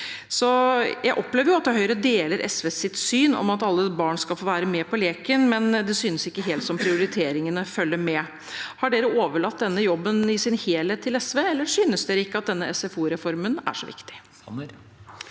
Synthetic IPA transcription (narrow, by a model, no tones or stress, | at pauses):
sɔjʔæɪʔɔpːleːʋəjʊɑt̪̚d̪ɛɦœʏɾəd̪eːləɾʔɛsʋeːsɪt̪syːnɔ̰mɑt̪ɑlːəbɑːɳskɑlfoːʋæːɾəmɛːpʰɔleːkənmɛnd̪ɛsyːnəsɪkːəɦeːlt̪sɔmpʰɾɪʊɾɪt̪ʰeːɾɪŋənəfœlːəɾmɛ | hɑɖeːɾəʔoːʋəɭɑt̪̚d̪ɛnːəjɔbːənɪsɪnheːleːt̪ʰːɪlɛsʋeːɛlːəʂyːnəsd̪eːɾəɪkːəɑt̪̚d̪ɛnːəɛsɛfuːɾɛfɔɾmənæ̰ʂɔʋɪ̰kt̪ɪ̥